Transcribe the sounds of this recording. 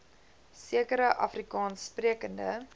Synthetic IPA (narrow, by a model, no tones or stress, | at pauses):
siəkəɾəʔɐ̰frikɑːnspriəkəndə